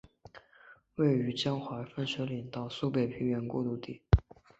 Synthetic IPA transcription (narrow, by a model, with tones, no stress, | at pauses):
we˥˩ɪy˧˥t͡ɕjɑ˥ŋxwa˧˥fə˥˩nʂɤ˧˥li˨˩ŋt̪ɑ˥˩˧ʊsu˥pe˥˩ɪpʰi˧˥ŋɥɛ˧˥nkwɔ̰˥˧t̪u˥˧t̪i˥˩